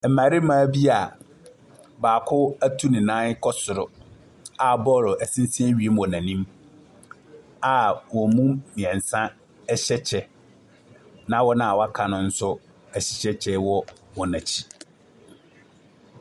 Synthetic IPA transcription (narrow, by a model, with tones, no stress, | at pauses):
m̩˨ma˨ɾɪ˦mãː˨˦bi˦a˨ | baː˨kʰʊ˦æ˦tʰu˦nĩ˨nã˦n˦kʰɔ˦sʊ˨ɾʊ˨ | a˨bɔ˦˨ɾʊ˨ʔæ˨sĩ˦n˦sɛ̃˦ɥi˨e˦m˦wɔ̃˨nã˨nĩ˦m | a˨wɔ˨mũ˦mĩ˨ɛ̃˨n˨sã˦ | ɛ˦ɕɛ˦t͡ɕʰɛ˨ | nã˦wɔ˦nã˦˨a˨wa˦kʰa˨nʊ̃˨n̩˦sʊ˦ | æ˨ɕi˨ɕɛ˦t͡ɕʰɛ˦wɔ˦wɔ˨nã˨t͡ɕʰi̥˦